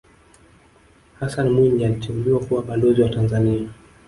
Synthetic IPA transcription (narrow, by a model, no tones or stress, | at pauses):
hasanmuɲanitimbiwakuwaɓanlɔziwatanzania